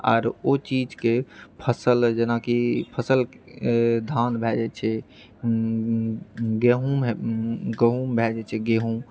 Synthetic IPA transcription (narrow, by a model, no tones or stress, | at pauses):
a̰ːɾot͡ʃid͡ʒkepʰəsəld͡ʒenakipʰəsəlk | d̪ʱanbʱɛd͡ʒɛt͡ʃʰɛ | ɡeɦum | ɡəɦumbʱɛd͡ʒɛt͡ʃʰɛɡeɦũm